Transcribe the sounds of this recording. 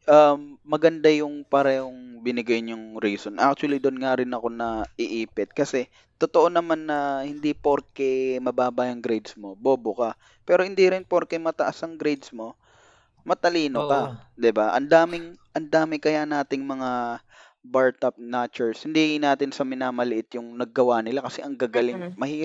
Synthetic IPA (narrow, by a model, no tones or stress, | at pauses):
ʔɐmːɐɡɐnd̪ajʊŋpɐɾɛhoŋbɪnɪɡɐjnʊŋɾiːsonʔa̰k̚t͡ʃʊwɐlid̪onŋaɾɪnɐko̞nɐʔɪʔiːpɪt̪̚kɐsɛ | t̪ot̪oʔo̞nɐmanːɐhɪnd̪ipoɾkɛmɐbaːbɐjɐŋɡɾɛjd̪smo̞boːbokɐ | pɛːɾo̞hɪnd̪iɾɪnpoɾkɛmɐt̪ɐʔasɐŋɡɾejd̪smo̞ | mɐt̪ɐliːnokɐd̪ɪbaʔɐ̰nd̪aːmɪŋʔɐnd̪aːmɪkɐjanaːt̪ɪŋmɐŋa | baɹt̪ɐp̚naːt͡ʃʊɹshɪnd̪inaːt̪ɪnsɐmɪnaːmɐlɪʔɪt̪jʊŋnɐɡ̚ːɐwanɪlakɐsɛʔɐŋɡaɡɐlɪŋmɐhiː